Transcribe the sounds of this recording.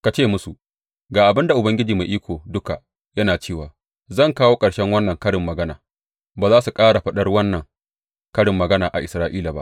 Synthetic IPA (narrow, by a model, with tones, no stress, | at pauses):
ka˨t͡ʃeː˦˨mʊ˦su˨ʔ | ɡaː˨ʔa˨bɪ˦nda˨ʔʊ˨bɐ˦ŋɡʲɪ˦d͡ʒiː˨meː˨ʔiː˦kʷoː˨dʊ˦ka˨ | jɐ˦naː˨t͡ʃeː˦˨waː˨ | zɐ˦˨ŋkaː˦woː˦kʼɐ˨ɽʃɛ˦ŋwɐ˦nːɐ˨ŋkɐ˦ɽɪ˨mːɐ˨ɡɐ˦na̰ː˨ | baː˨zaː˦su˨kʼaː˦ɽa˨ɸɐ˦ɗɐ˦rwɐ˦nːɐ˨ŋ | kɐ˦ɽɪ˨mːɐ˨ɡɐ˦naː˨ʔa̰˨ʔɪ˨sɾaː˦ʔiː˦la˨ba˦ʔ